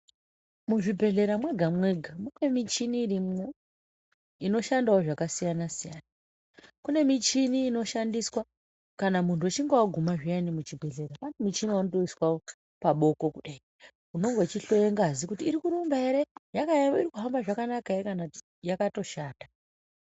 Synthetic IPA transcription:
muʐibʱe̞ɮe̞ɾamwe̞ɡʱamwe̞ɡʱamune̞mit͡ʃiniːrimo | ino̞ʃandaoʐakasijanasijaːna | kune̞mit͡ʃiniːno̞ʃandiswa | kanamuntuat͡ʃiŋɡowaɡʱumaʐianimut͡ʃibʱe̞ɮe̞ɾakanumit͡ʃiniwanoto̞iswao | paɓo̞ko̞kuɗai | uno̞ŋɡo̞t͡ʃiɬo̞jeŋɡazikutiːɾikuɾumbaeɾe̞jakaiɾikuɦambaʐakanakaekana | jakato̞ʃaːda

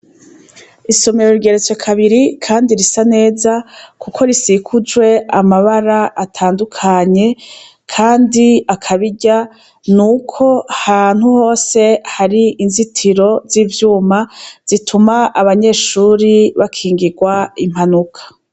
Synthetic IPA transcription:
iso̞meɾoɾɡe̞ɾet͡swekʰaβiɾikʰaːndiɾisane̞ːzakukʰo̞ɾisikʰud͡ʒwe̞amaβaɾaʔatʰaːndukʰaɲe̞ | kʰaːndiakʰaβiɟa | nukʰo̞han̥huho̞ːse̞haɾiinzitʰiɾo̞ziːvjuːmaz̥itʰumaʔːβaɲe̞ːʃuːɾiβakʰiːŋɡiɡwaim̥hanukʰḁ

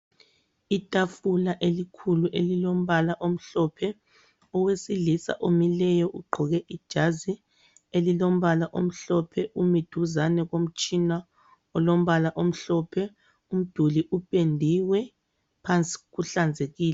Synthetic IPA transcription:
itʼafulaʔelikʰuluʔelilom̩βalaʔom̩ɬɔpʰɛ | ɔwesilisa̰ʔomilɛjɔʔuɡ͡ǃʱɔɣɛʔid̥ʒ̥ʱazi | elilom̩βalaʔom̩ɬɔpʰɛʔumid̥ʱuzanɛɣom̩t͡ʃʼina | ɔlom̩βalaʔom̩ɬɔpʰɛ | um̩d̥ʱuliʔupʼendʱiwɛ | pʰant͡sʼi̥ɣuɬand͡zʱeɣiːlɛ

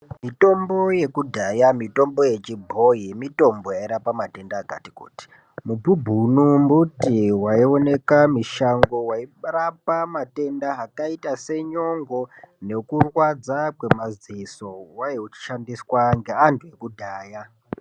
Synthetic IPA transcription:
mito̞mbo̞je̞kudʱajamito̞mbo̞je̞t͡ʃibʱo̞jimito̞mbo̞jaiɾapamate̞ndakati̥kṵːti̥ | mububʱunumbutiwaione̞kamiʃaŋɡo̞wairapamate̞ndaakaitase̞ɲo̞ŋɡone̞kurwad͡zakwe̞maziso̞wajeut͡ʃi̥ʃandiswaŋɡe̞antʰuje̞kudʱaːja

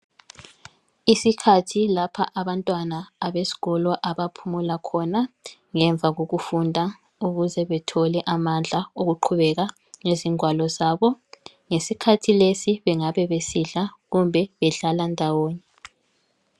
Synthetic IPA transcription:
isikʰatʰilapʰa̰ʔaβantʼwanaːβesi̥ɣɔlɔʔaβapʰumulakʰɔna | ŋɛɱb̪vʱaɣoɣufundʱa | uɣuzɛβɛtʰɔlɛʔamand͡ɮʱaoɣuǃʰuβɛɣa | ŋeziŋwalɔzaːβɔ | ŋesikʰatʰilesiβɛŋaβɛβesiɮaɣumbʱɛβɛɮalandʱawɔːɲɛ

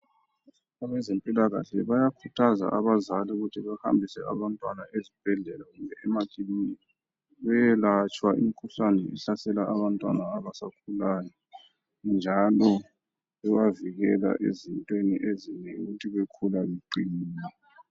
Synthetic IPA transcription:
aβɛzempʼilaɣa̰ɬɛβajakʰutʰaza̰ʔaβazaliuɣutʰiβaha̰mbʱisɛ̰ʔa̰βantʼwanaezib̥ʱɛɮɛlaɣumbʱɛʔɛmaǀʼimin | βɛjɛlat͡ʃʼwaʔḭmikʰuɬanɛʔɛɬasɛlaaβantʼwa̰naːβasakʰulajɔ | nd͡ʒʱalɔ | ɛwaviɣɛla̰ʔḛzintʼweniʔeziɲɛṵɣutʰiɣekʰulaβeǃimiːnɛ

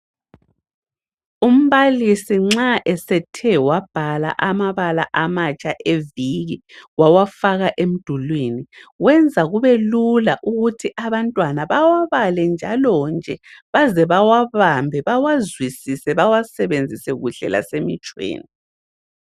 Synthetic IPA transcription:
um̩βalisiŋ͡ǁaʔɛsɛtʰɛwab̥ʱala̰ʔamaβala̰ʔamat͡ʃʼaʔeviɣiɣwawafaɣaʔem̩d̥ʱulweniwɛnd͡zʱaɣuβelulaʔuɣutʰiʔaβantʼwanaβawaβalɛnd͡ʒʱalɔnd͡ʒʱɛβazɛβawaβambʱɛβawazwisisɛβawasɛβend͡zʱisɛɣuɬɛ̰la̰semit͡ʃʼwḛːni

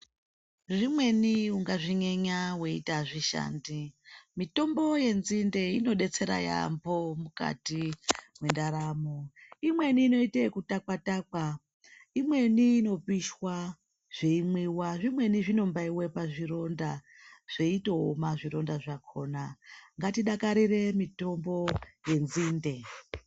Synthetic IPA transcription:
ʐimwe̞niuŋɡaʐiɲeɲawe̞itaʐiʃa̰ːndimito̞mbo̞je̞nzinde̞ino̞ɗe̞t͡se̞ɾa̰ja̰mbo̞muka̰timwendaɾamoimwe̞niːno̞itekutakwatakwa | imwe̞niːno̞piʃwa | ʐ̥e̞imwiwaʐimwe̞niʐino̞mbaiwe̞paʐiɾo̞nda | ʐ̥e̞itoomaʐiɾo̞ndaʐakʰo̞naŋɡatiɗakaɾire̞mito̞mbo̞je̞nziːnde̞

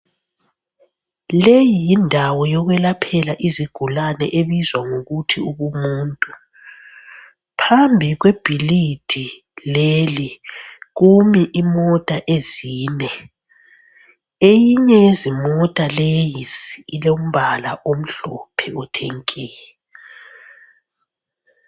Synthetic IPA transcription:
lejijindʱawɔjɔɣwɛlapʰɛlaʔiziɡ̥ʱulanɛ̰ʔeβizwaŋoɣutʰiuβumuːntʼu | pʰambʱiɣweb̥ʱilid̥ʱi | leliɣumiʔimɔtʼaʔeziːnɛ | ejiɲɛjezimɔtʼalejisiːleum̩βala̰ʔom̩ɬɔpʰɛutʰeŋkʼiːlɛ

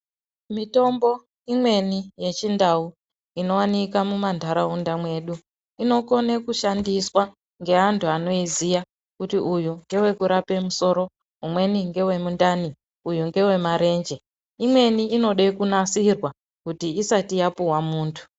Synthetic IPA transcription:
mito̞mbo̞ | imwe̞nije̞t͡ʃindau | ino̞wanikamumandʱaɾaundamwe̞ːɗu | ino̞ko̞nekuʃandiswa | ŋɡe̞ɦantʰuano̞izija | kutiʔujuŋɡe̞we̞kuɾape̞muso̞ːɾo̞ | ɦumwe̞niŋɡe̞we̞mundani | ujuŋɡe̞we̞maɾe̞ːnd͡ʒe̞ | imwe̞niːno̞ɗekunasirwa | kutiːsatijapuwamuːntʰu̥

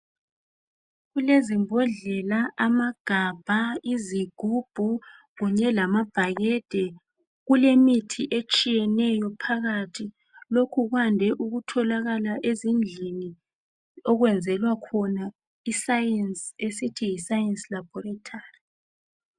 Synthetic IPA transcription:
ɣulezimbʱɔɮɛlaʔamaɡ̥ʱab̥ʱaiziɡ̥ʱub̥ʱuɣuɲɛlamab̥ʱaɣɛd̥ʱɛ | ɣulemitʰiʔet͡ʃʼijɛnɛjɔpʰaɣatʰi | lokʰuɣwandʱɛʔuɣutʰɔlaɣalaʔezind͡ɮʱini | ɔɣwɛnd͡zʱɛlwakʰɔna | isajɛnsesitʰijisajɛnslab̥ʱɔratʰaːri

